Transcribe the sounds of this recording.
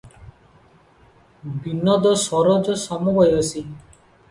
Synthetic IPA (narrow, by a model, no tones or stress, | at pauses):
binːɔd̪ɔsɔɾɔd͡ʒɔsɔmɔbɔjɔsi